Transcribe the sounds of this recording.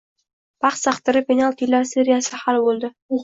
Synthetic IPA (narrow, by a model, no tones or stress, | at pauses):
pɑχsɑqt̪əɾɪpʲenʲalˠt̪ilːaɾseɾijasɪhɑlˠbolˠd̪ɪ